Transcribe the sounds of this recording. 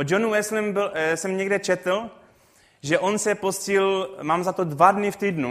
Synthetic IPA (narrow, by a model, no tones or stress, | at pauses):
od͡ʒonuɛslɛmbɪlsɛmɲɛɡdɛt͡ʃɛt̪l̩ | ʒɛʔonsɛposcɪlmaːmzat̪odvadnɪft̪iːdnu